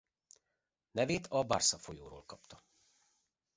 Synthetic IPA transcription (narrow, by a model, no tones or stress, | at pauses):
nɛveːt̪ʰɒba̰rsɒfo̞joːɾoːlkɒpt̪ɒ